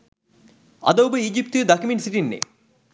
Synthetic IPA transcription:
ɐ̰d̪owbɨiːd͡ʒip̚t̪ɨd̪ɐkʰiminsiʈinːḛ

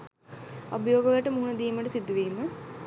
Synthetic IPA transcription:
obəjoːɡəʋəʈəmuɦunɐd̪iːməʈəsid̪ːuʋiːmə

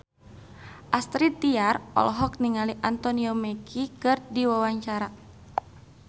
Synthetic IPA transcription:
ʔast̪ɾit̪iarɔ̰lɔɦɔk̚niŋaliʔant̪ɔniɔmɛkʰikɨrdiwawaɲt͡ʃaɾa

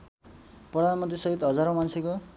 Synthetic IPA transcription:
prʌd̪ʱanmʌnt̪risʌɦit̪ɦʌd͡zaɾomansʰeko

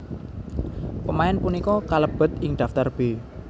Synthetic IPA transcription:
pəmaɛnpunikɔkaləb̥ə̤t̪̚ɪŋɖ̪̥a̤ft̪arb̥e̤

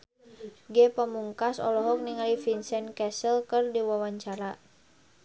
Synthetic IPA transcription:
ɡɛpəmuŋkasɔ̰lɔɦɔk̚niŋalifinsɛnkɛsəlkərdiwawaɲt͡ʃaɾa

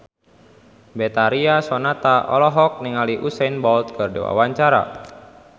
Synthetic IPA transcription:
bɛt̪aɾiasɔnat̪aʔɔ̰lɔɦɔk̚niŋaliʔusɛnbɔlt̪̚kɨrdḛwa̰waɲt͡ʃaɾa̰

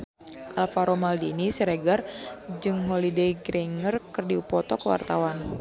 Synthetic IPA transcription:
ʔalfaɾɔmaldinisiɾeɡard͡ʒɨŋɦolidejɡɾiŋərkɨrdiupɔt̪ɔkəwa̰rt̪awan

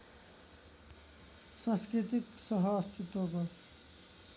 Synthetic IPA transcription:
sãnskɾit̪iksʌɦʌːst̪ʰit̪wokʌ

